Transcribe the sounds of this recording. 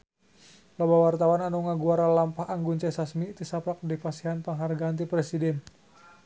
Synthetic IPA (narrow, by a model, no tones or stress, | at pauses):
labawart̪awananuŋaɡuaɾalampahaŋɡunt͡ʃɛsasmit̪isaplak̚dipasiɦanpaŋɦarɡaant̪ipɾɛsidɛn